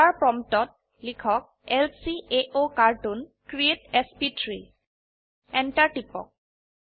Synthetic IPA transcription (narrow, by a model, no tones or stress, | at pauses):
aɹpɹɔmtɔt̚ | likʰɔk̚ | ɛlsieʔokaɹtunkɹietɛspitɹi | ɛntaɹtipɔ̰k̚